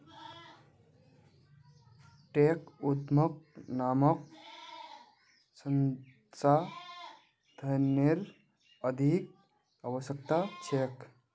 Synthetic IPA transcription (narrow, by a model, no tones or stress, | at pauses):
ʈekut̪mək̚namʌk̚ | sən | sa | d̪ʱəneɾ | əd̪ʱik̚ | aʋəsək̚t̪at͡ʃʰek